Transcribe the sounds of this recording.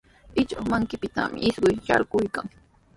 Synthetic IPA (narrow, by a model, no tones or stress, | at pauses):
ɪt͡ʃoχmaŋkɪpɪt̪a̰mɪ̰ɪsɢʊjʃa̰ɾɢʊjkaŋ